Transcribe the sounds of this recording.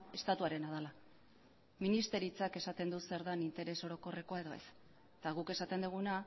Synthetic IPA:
e̞st̪at̪uaɾe̞nað̞ala | minist̪e̞ɾit͡sake̞sat̪e̞nd̪use̞ɾðanint̪e̞ɾe̞so̞ɾo̞ko̞re̞ko̞aeðo̞e̞̰s | t̪aɣuke̞sat̪e̞nd̪uɣ̞una

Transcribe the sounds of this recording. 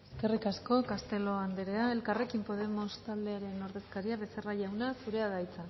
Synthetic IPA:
eskerikasko̞kast̪e̞lo̞and̪eɾe̞ae̞lkare̞kimpo̞ð̞e̞mo̞st̪ald̪e̞aɾe̞no̞ɾðe̞skaɾiaβe̞seraʝawnasuɾe̞aðajt͡sa

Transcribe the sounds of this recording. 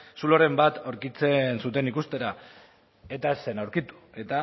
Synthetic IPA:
suloɾe̞mbat̪o̞ɾkit͡se̞nsut̪̬e̞nikust̪e̞ɾa | e̞t̪aese̞nawɾkit̪u̥e̞t̪a

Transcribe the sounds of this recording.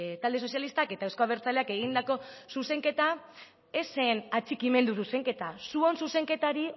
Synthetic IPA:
t̪ald̪e̞so̞sjalist̪ake̞t̪aewsko̞aβe̞ɾt͡sale̞ake̞ɣ̞ind̪ako̞suse̞ŋke̞t̪a | esenat͡ʃikime̞nd̪us̬use̞ŋke̞t̪asuo̞nsuse̞ŋke̞t̪aɾi

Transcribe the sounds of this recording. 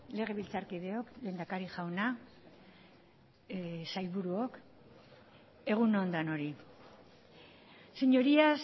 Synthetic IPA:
le̞ɣ̞e̞βilt͡saɾkið̞e̞o̞kle̞ːnd̪akaɾiʝawna | sajβuɾuok | e̞ɣ̞unond̪ano̞ɾi | seɲo̞ɾias

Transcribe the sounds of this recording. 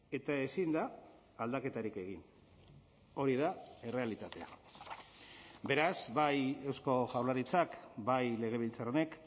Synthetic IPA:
e̞t̪ae̞sind̪aː | ld̪ake̞t̪aɾike̞ɣ̞in | o̞ɾiðae̞re̞alit̪at̪e̞a̰ | be̞ɾazbaje̞wsko̞ʝawlaɾit͡sakbajle̞ɣ̞e̞β̞ilt͡saɾone̞k

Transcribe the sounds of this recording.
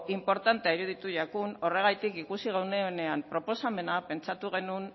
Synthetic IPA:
impo̞ɾt̪ant̪eaiɾuð̞it̪uʎakuno̞re̞ɣ̞ajt̪ikikusiɣ̞awne̞one̞ampɾo̞po̞same̞nape̞nt͡sat̪uɣ̞e̞nun

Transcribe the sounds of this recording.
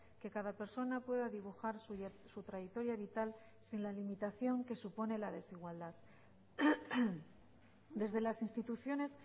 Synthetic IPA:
ke̞kaðape̞ɾso̞napwe̞ðaðiβuxaɾs | sut̪ɾajek̚t̪o̞ɾjaβit̪al | sinlalimit̪aθjo̞ŋke̞supo̞ne̞laðe̞siɣ̞wald̪að | d̪e̞zðe̞lasinst̪it̪uθjo̞ne̞s

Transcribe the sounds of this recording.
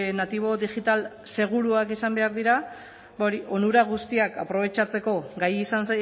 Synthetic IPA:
nat̪iβ̞o̞ðiʝit̪alse̞ɣ̞uɾuakisambe̞aɾðiɾa | baoɾiʔo̞nuɾaɣ̞ust̪iaka̰pɾo̞β̞e̞t͡ʃat͡se̞ko̞ɡajisansa

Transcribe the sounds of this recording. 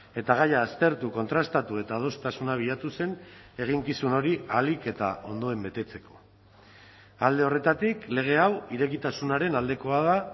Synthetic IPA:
e̞t̪aɣ̞ajaːst̪e̞ɾt̪uko̞nt̪ɾast̪at̪ue̞t̪að̞o̞st̪asunaβ̞iðat̪use̞ne̞ɣ̞iŋkisuno̞ɾialike̞t̪a̰ʔo̞nd̪o̞e̞mbe̞t̪e̞t͡se̞̥ko̞̥ | ald̪e̞o̞re̞t̪at̪ikle̞ɣ̞e̞awiɾe̞kit̪asunaɾe̞nald̪e̞ko̞að̞a

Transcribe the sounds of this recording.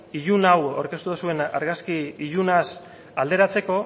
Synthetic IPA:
iʎunawa̰ɾke̞st̪uðusue̞na̰ɾɣaskiiʎunas | ald̪e̞ɾat͡seko̞

